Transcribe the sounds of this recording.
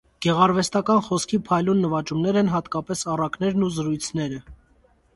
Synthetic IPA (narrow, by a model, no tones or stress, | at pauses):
ɡ̥ɛʁɑɾvɛst̪ɑkɑnχɔskʰipʰɑjlunːəvɑt͡ʃumnɛɾɛnɦɑt̪kɑpɛsɑrɑknɛɾnuzəɾujt͡sʰnɛɾə